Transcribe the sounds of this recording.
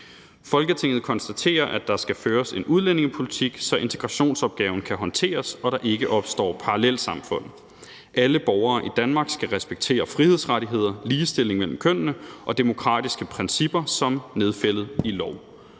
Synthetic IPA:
fɒ̽lɡ̥ət͡sʰe̝ŋ̰ð̞̩ˠkʰɒ̽nsd̥æt͡sʰe̝̰ːɐʔæd̥ɑ̈sɡ̥æføːɐse̝nʔuð̞ˠlene̝ŋəpʰo̝lit͡sʰiɡ̥sɒ̽ʔe̝nt͡sʰe̝ɡ̥ʁɑ̈ɕo̝̰ːnsɒ̽b̥̚ɡ̥ɛːʊn̩kʰæɦɒ̽nt͡sʰe̝̰ːɐsɒ̽ɾɑ̈ʔe̝ɡ̥əʔɒ̽b̥sd̥ɒ̰ːpʰɑ̈ʁɑlel̰̥sɑ̈mfɔ̽n̰ð̩ˠ | ʔæləb̥ɒʊɐːʔid̥ænmɑ̈ːɡ̥sɡ̥æʁɛsb̥eɡ̥t͡sʰe̝̰ːɐfʁihe̝ð̞̰ˠsʁaɾiɦe̝ð̞̰ˠɐliːsd̥e̝l̰e̝ŋmel̰m̩kʰøn̰nəʔɒ̽d̥e̝mo̝kʰʁɑ̰̈ːdisɡ̥əpʰʁɛnsib̥ɐsɒ̽mne̝ð̞ˠfel̰ð̩ˠilɒʊ

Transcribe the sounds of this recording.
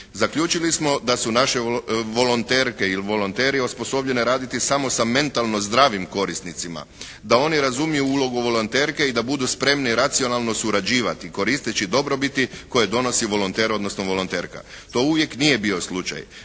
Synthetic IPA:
zakʎuːt͡ʃilismo̞d̪asunaʃe̞ʋo̞lont̪e̞ːɾke̞ilʋo̞lont̪e̞ːɾiospo̞so̞bʎe̞neɾaːd̪it̪isamo̞same̞nt̪alˠno̞zd̪ɾaːʋimko̞ɾist̪nit̪sima̰ | d̪ao̞niɾazumijuuːlˠo̞ɡuʋo̞lo̞nt̪e̞ːɾke̞id̪abud̪uspɾe̞mniɾat̪sio̞nalˠno̞suɾad͡ʑiːʋat̪iko̞ɾist̪it͡ʃid̪o̞bɾo̞bit̪iko̞jed̪o̞no̞siʋo̞lont̪e̞ːɾo̞d̪no̞snoʋo̞lont̪e̞ːɾka̰ | t̪o̞ːuʋje̞knije̞bio̞slut͡ʃa̰j

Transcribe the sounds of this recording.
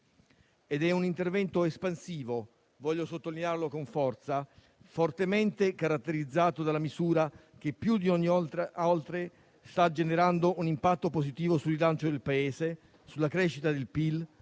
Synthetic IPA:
ed̪ɛunint̪ervɛnt̪oespansiːvo | vɔʎːosot̪ːolinearlokoɱfɔrt̪sa | fort̪ement̪ekaɾat̪ːeɾid̪zːaːt̪od̪alːamizuːɾak̟epːjud̪ioɲːialt̪ɾe | st̪ad͡ʒeneɾand̪oʔunimpat̪ːopozit̪iːvosulilant͡ʃod̪elpaeːze | sulːakɾeːʃːit̪ad̪elpil

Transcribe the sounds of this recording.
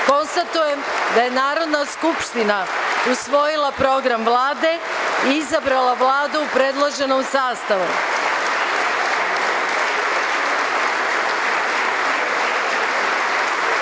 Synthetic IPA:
ko̞nst̪at̪uje̞md̪aje̞naːɾo̞d̪naskupʃt̪inausʋo̞jilapɾo̞ɡɾamʋlˠaːd̪e̞ | iizabɾalaʋlaːd̪uːupɾe̞d̪lˠaʒe̞nomsaːst̪aʋu

